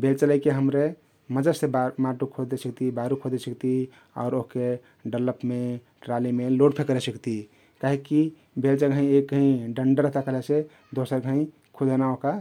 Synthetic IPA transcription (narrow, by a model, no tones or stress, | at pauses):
belt͡ʃəlajkeɦəmɾe | məd͡ʒəsebamaʈukʰod͡ʒɛsəkt̪ibaɾukʰod͡ʒɛsəkt̪i | ɔ̰ːɾoɦke | ɖələpme | ʈɾalimeloɖpʰekəɾɛsəkt̪i | kaɦikːi | belt͡ʃəɡʱə̃ĩek̚ɡəĩɖəɳɖəɾəɦt̪akəlese | d̪osəɾɡʱə̃ĩ | kʰod͡ʒənaoɦka